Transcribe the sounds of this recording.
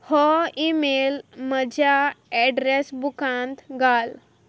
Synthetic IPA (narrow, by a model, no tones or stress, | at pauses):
hɔimelməd͡ʑʱjaɛɖɾesbukãnt̪ɡʱal